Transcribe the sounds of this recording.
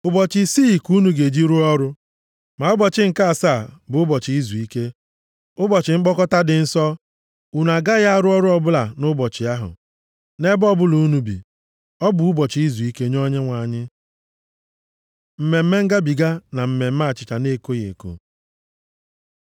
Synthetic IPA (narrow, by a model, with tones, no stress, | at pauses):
ʊ˦bɔ˨t͡ʃɪ˦siː˦˨ku˦nu˨ɡe˨d͡ʒi˦ɾu˦ɔ˦ɾʊ˦ | ma˨ʊ˦bɔ˨t͡ʃɪ˦ŋ̩˨ka˦a˨saː˦˨bʊ˨ʊ˦bɔ˨t͡ʃɪ˨i˦zu˨i˦ke˦ | ʊ˦bɔ˨t͡ʃɪ˨ŋ͡m̩˦k͡pɔ˦kɔ˦ta˦dɪ˨n̩˦sɔ˦ | u˨n˨a˨ɡa˦ɣa˦a˦ɾʊ˦ɔ˦ɾʊ˦ɔ˦bʊ˦la˨nʊ˦bɔ˨t͡ʃɪ˨a˦ɦʊ̰˨ | ne˦bɔ˦bʊ˦lu˨u˦nu˨bḭ˨ | ɔ˦bʊ˨u˦bɔ˨t͡ʃɪ˨˦i˦zu˨i˦ke˦ɲɔ˦ɲe˦ŋʷa˨ɲɪ˦ | m̩˨me˨m̩˦me˦ŋ̩˦ɡa˦bi˨ɡa˦na˨m̩˨me˨m̩˦ma˦˨t͡ʃɪ˨t͡ʃa˨ne˦˨ko˦ɣḛ˨ko̰˨